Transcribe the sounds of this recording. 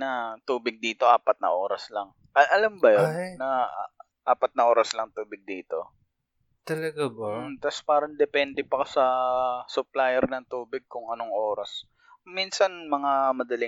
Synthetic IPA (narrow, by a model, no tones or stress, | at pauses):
nɐt̪uːbɪɡ̚d̪iːt̪o̞ʔaːpɐt̪̚nɐ̰ʔo̞ːɾɐslɐŋ | ʔɐʔɐlambɐjonːɐ | ʔaːpɐt̪̚nɐʔoːɾɐslɐŋt̪uːbɪɡ̚d̪iːt̪o̞̰ | t̪ɐlɐɡabɐt̪aspaːɾɐnd̪ɛpɛnd̪ɛpɐkasɐsʊplajɛɾnɐŋt̪uːbɪɡ̚kʊŋʔɐnoŋʔoːɾɐs | minsɐnmɐŋamɐd̪ɐli